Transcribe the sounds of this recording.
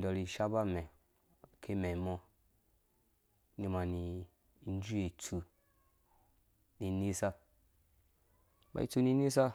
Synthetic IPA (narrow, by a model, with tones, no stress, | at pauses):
dɔ˨ɾi˨ʃa˦ba˦mɛ˨ | kʰe˦mɛ˨mɔ˦ | ni˧ma˨ni˨˦ | n˦d͡ʒu˦e˨t͡su˧ | ni˨ni˦sa˦ | ba̰˨ḭ˦t͡su˧ni˧ni˦sa˦